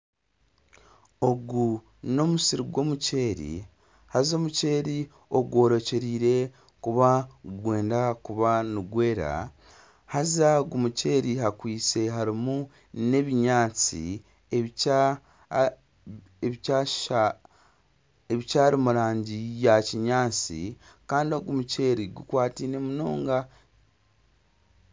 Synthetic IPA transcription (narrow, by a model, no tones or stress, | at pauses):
o̞ɡu | no̞musiɾiɡwo̞muce̞ːɾḭ | hazo̞ːmuce̞ːɾi | o̞ɡwo̞ːɾo̞ce̞ɾiːɾe̞ | kuβaɡwe̞ːndakuβanuɡwe̞ːɾa̰ | hazaɡumuce̞ːɾihakwiːt͡se̞ɦaɾimu | ne̞βiɲaːt͡sḭ | e | e | eβicaːɾimuɾaːɲɟijaciɲaːt͡sḭkaːndio̞ɡumuce̞ɾiɡukwaːtinemunoːŋɡa